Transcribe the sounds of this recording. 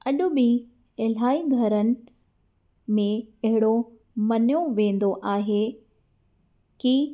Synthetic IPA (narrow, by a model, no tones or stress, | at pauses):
ɐɗʊ̆ɓɪ | ɐl̤aːiɡʱɐɾənɪ̆ | mẽɐɦɪɽo | mɐnjoʋẽːn̆d̪oʔaːɦe | ki